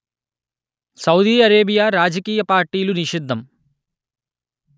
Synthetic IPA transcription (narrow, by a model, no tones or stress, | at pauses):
sɐwd̪iːɐɾeːbijaːɾaːd͡ʒɐkiːjɐpaːɾʈiːluniʃid̪ʱːɐm